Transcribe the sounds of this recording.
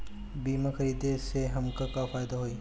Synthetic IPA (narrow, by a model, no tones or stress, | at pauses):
biːmaxɐɾiːd̪eseɦɐmkakafaːjd̪aɦoiː